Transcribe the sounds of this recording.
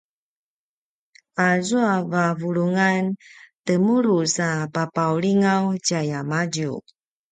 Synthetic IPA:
azuavavuɾuŋantəmuɾusapapawliŋawcajamaɟṵ

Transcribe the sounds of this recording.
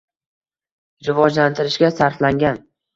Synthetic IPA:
ɾɪvɒd͡ʒlant̪ʰɪɾɪʃɡʲasaɾflaŋɡʲan

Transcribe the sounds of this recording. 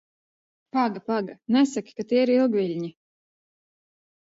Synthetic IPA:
paɡapaɡanɛsaki̥kat̪iːiɾilˠɡvʲilʲɲi

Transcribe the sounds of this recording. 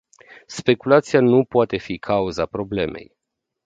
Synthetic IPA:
spe̞kulat̪sijanupoat̪e̞fikʰauzapɾo̞ble̞̰me̞̰j

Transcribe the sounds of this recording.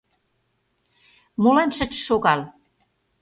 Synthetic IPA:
molenʃə̆t͡ɕʃoɣɑl

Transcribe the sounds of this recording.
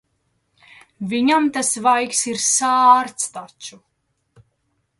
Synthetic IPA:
viɲamt̪asvajksiɾsaːɾt̪st̪at͡ʃu

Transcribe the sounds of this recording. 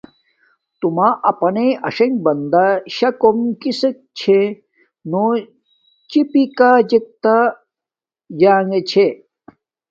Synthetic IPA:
t̪umaʔɐpɐneɐʂɐŋɡ̚bɐnd̪aɕɐkomkisek̚t͡ɕʰe | no | t͡ɕipikad͡ʑek̚t̪a | d͡ʑaːŋet͡ɕʰe

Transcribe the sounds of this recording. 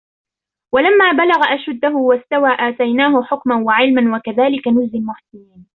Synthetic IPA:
walamːaːbalaɣaʔaʃad̪ːaɦʊwast̪awaːʔaːt̪ajnaːɦʊħʊkmanwaʕɪlmanwakaðaːlɪkanʊzːɪlmʊħsɪjiːn

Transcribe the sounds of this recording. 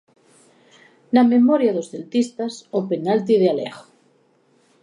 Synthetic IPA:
namemoɾjaðosðelt̪ist̪asopenalt̪̬iðealḛɣo̥

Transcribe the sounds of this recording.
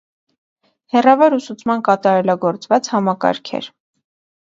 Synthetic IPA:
hɛrɑvɔɾusut͡sʰmɑnkɑt̪ɑɾɛlɑɡɔɾt͡svɑt͡shɑmɑkɑ̰ɾkʰɛ̰ɾ

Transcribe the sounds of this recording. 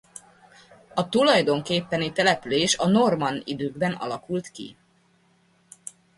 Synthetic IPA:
ɒt̪ulɒjd̪o̞ŋkeːpːɛnit̪ɛlɛpyleːʃɒno̞rmɒnḭd̪øːɡbɛnʔɒ̰lɒkult̪kḭ

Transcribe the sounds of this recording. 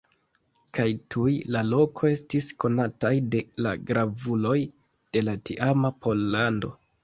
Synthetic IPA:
kajtʰujlalo̞kʰo̞e̞stisko̞natajde̞la̰ɡɾavulo̞j | d̥e̞latḭʔamapʰo̞lːando̞̰

